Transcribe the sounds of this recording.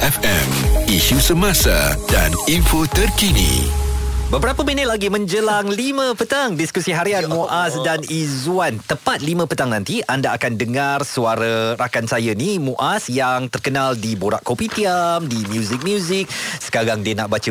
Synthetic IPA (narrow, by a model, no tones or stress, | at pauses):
ɛfɛmiʃusəmãsa̰da̰niɱfot̪ərkinḭ | bəbəɾapəminɪt̪̚laɡimə̃ɲd͡ʒəlaŋlimə̃pət̪aŋdiskusiɦaɾianmũʔasdanizuant̪əpat̪̚limə̃pət̪aŋnãnt̪iʔandaːkandəŋarsuaɾarakansajənimuʔasjaŋt̪ərkənaldiboɾa̰ʔkopit̪iamdimjuzik̚mjuzik̚sə̥kaɾaŋdiənaʔbat͡ʃə